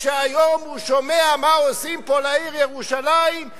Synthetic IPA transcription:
ʃeajomhuʃomeamaosimpolaiʁjeʁuʃalaim

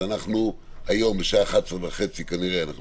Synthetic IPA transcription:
anaχnu | hajo̞mbeʃaχat̪sʁvaχe̞t͡sikaniʁeanaχn

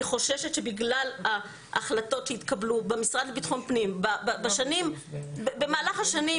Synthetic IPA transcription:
χo̞ʃeʃetʃe̞biɡlala | ʔa̰χlato̞tʃeit̪kablubemisʁad̪lebit̪χompnimbababaʃanimbebemaːlaχaʃani

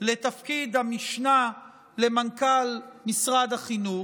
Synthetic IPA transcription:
le̞t̪afkid̪hamiʃna | lemankalmisʁad̪haχinu

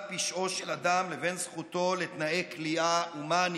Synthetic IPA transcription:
piʃʔo̞ʃelad̪amleve̞nzχut̪o̞let̪naekliauman

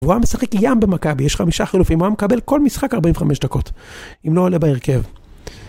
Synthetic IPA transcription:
vuamesaχekjambemakabijeʃχamiʃaχilufimoamekabe̞lko̞lmisχakaʁbaiɱveχameʃd̪ako̞timloːlebaeʁkev

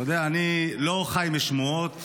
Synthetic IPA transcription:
od̪eaːnilo̞χajmeʃmuot̪

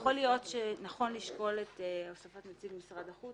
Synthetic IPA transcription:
χo̞lijo̞tʃenaχo̞nliʃko̞letosafatmot͡siɡmisʁadaχu

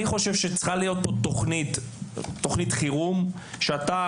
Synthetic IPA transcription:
iχo̞ʃe̞vʃet͡sχalijo̞t̪ːot̪ːoχnitː | o̞χnitχiʁum | ʃeat̪a

